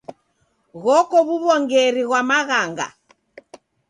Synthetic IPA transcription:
ɣɔkɔβuβɔŋɡɛɾiɣwamaɣaŋɡa̰

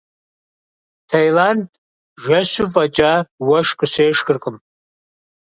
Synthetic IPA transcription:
tʰajlandʼ | ʒʷaʃʷʊvʼad͡ʒʼawaʂkʼɨʃʷejʂɡɨrqʼəm

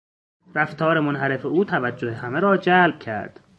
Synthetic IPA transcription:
ɾæft̪ʰɒːɾemonɦæɾe̞feuːt̪ʰævæd͡ʒːohehæmeɾɒːd͡ʒæːlb̥̚cʰæ̰ɾd̪̥

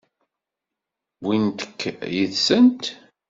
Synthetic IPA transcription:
wint̪ə̥kʰːjəðsənt̪

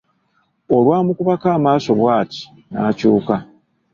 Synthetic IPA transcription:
olwaːmukuβakaːmaːso̞βwaːti̥ | na̰ːcuːka

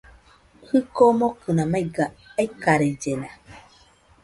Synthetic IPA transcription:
hɯkomokɯnamajɡaikaɾed͡ʒena

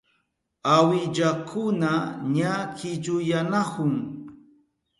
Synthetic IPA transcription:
awɪʎakʰʊnaɲakɪʎʊjanakʊŋ

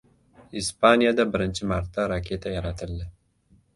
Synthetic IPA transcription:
ispanjad̪abəɾɪnt͡ʃimaɾt̪̚d̪aɾɑkʰet̪ajaɾat̪əld̪ɪ

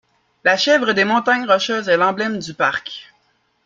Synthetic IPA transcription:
laʃɛvʁəd̪emɔ̃t̪aɲʁɔʃœzɛlɑ̃blɛmd̪ypaʁkʲ

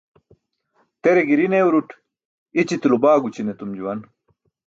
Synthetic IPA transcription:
t̪eɾeɡiɾineuɾuʈʰ | it͡ɕit̪ilubaːɡut͡ɕinet̪umd͡ʑuwɐn

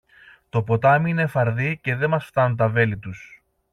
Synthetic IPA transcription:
t̪o̞po̞t̪ɐmiine̞fɐɾðice̞ðemɐsft̪ɐnunt̪̬ɐve̞lit̪us

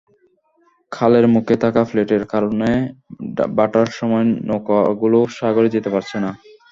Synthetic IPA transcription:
kʰaleɾmukʰet̪ʰakafleʈeɾkaɾone | baʈaɾʃɔmɔenokaɡuloʃaɡoɾid͡ʑet̪epaɾt͡ɕʰena

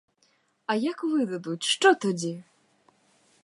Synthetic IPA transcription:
ɐjakvɨd̪ɐd̪ut͡sʲʂt͡ʂɔt̪ɔd͡zʲɛ

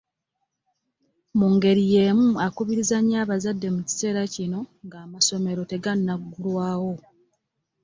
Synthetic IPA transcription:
muŋɡe̞ɾije̞ːmuakuβiɾizaɲːaːβazadːe̞muci̥se̞ːɾacino̞ŋɡaːmaso̞me̞ɾo̞te̞ɡanːaɡːulwaːwo̞

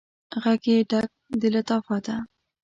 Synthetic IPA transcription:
ɣaɡeɖak̚d̪əlat̪ɑfɑt̪a

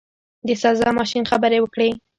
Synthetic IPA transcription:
d̪əsazɑmɑʃinxabəɾewəkɽe

